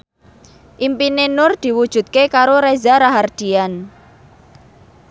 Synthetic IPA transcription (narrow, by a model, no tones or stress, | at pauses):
ʔimpinenʊrd̪̥i̤wud̥ʒ̥ṳt̪̚kekaɾoɾezaɾaɦard̪̥i̤an